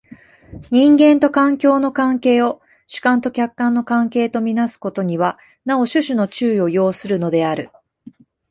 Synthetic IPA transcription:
ɲ̟ĩŋɡẽ̞nt̪o̞kãŋkʲo̞ːno̞kãŋke̞ːo̞ | ɕɨ̥kãnt̪o̞kʲakːãnːo̞kãŋke̞ːt̪o̞mʲinasɨ̥ko̞t̪o̞ɲ̟iβa | nao̞ɕɨɕɨno̞t͡ɕɨːio̞jo̞ːsɨɾɯ̟no̞d̪e̞aɾɯ̟

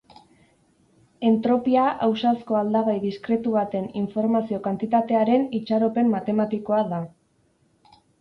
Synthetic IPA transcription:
e̞nt̪ɾo̞piaʔawsasko̞ald̪aβajðiskɾe̞t̪uβat̪e̞niɱfo̞ɾmasio̞kant̪it̪at̪e̞aɾe̞nit͡ʃaɾo̞pe̞mːat̪e̞mat̪iko̞aða

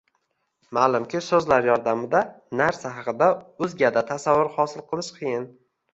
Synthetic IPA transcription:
malˠʊmkʲɪsɵzlaɾjɒɾd̪amɪd̪a | naɾsaɦɑqɨd̪aɵzɡʲad̪at̪ʰasavːʊɾhɒsɪlˠqʰɨlˠɪʃqʰɨjɪn

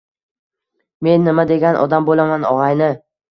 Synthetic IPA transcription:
me̞nːɪmad̪eɡʲanʔɒ̰d̪ambolamanɒʁɑjnɪ

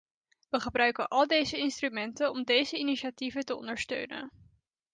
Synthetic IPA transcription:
ʋəχəbrœɥkənʔɑlˠdejzəɪnstrymɛntənɔmdejzəiniʃativətəɔ̰ndəɹstø̰ɥnə̰n

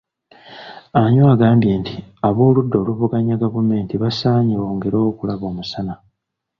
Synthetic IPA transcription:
aɲwaːɡaːmbje̞ːntiaβoːludːo̞ːluβuɡaɲaɡavume̞ːntiβasaːɲiwo̞ːŋɡeɾoːkulaβo̞ːmusana

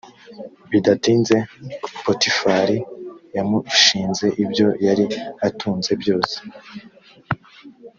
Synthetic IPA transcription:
βidatiːnze̞potifaɾijamuʃiːnze̞ʔibjo̞jaɾiatʰuːnze̞bjo̞ːse̥

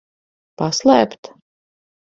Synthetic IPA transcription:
paslˠæːpt̪

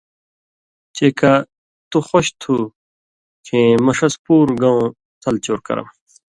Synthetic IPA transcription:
t͡ɕeːka | t̪uxoɕt̪ʰu | kʰemɐʂɐspuːɾɡɐ̃ũ | t̪ʰɐlt͡ɕoːɾkɐ̰ɾɐ̰m

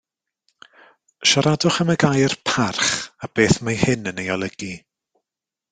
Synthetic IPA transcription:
ʃaɾadʊχəməɡajrpʰarχab̥eːθmajhɪnənejɔlˠəɡ̥i

